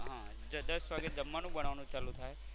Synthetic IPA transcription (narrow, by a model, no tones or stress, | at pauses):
ɦã | d͡ʒəd̪əsʋaɡed͡ʒəmːanũbəɽ̃aʋnũt͡ʃalũt̪ʰaj